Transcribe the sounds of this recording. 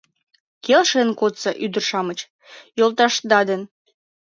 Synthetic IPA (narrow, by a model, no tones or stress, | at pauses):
kelʃenkot̪t͡sɑʔyd̪ərʃɑmət͡ɕ | jolˠt̪ɑʃd̪ɑd̪ən